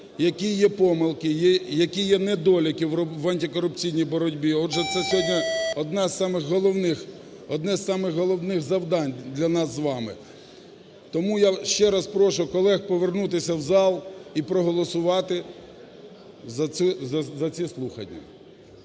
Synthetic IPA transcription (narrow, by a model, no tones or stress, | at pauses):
jɐkʲijɛpɔmɪlˠkɪjɛjɐkʲijɛnɛd̪ɔlʲɐkʲiwʋɐnʲtʲɪkɔɾʊpt͡sʲijnʲijbɔɾɔdʲbʲiɔdʒɛt̪sɛsʲɦɔdʲnʲɐɔd̪nɑzsɑmɪɣɦɔlˠɔwnɪx | ɔd̪nɛzʲsɑmɪɣɦɔlˠɔwnɪɣzɐwd̪ɑnʲd̪lʲɐnɑszʋɑmɪ̰ | t̪ɔmujaʃt͡ʃɛɾɑspɾɔʃʊkɔlˠɛxpɔʋernut̪̬ɪsʲɐwzɑlˠipɾɔɦɔlˠɔsʊʋɑt̪ɪ | zɐuzɐzɐt͡sʲislˠuxɐ̰nʲːɐ̰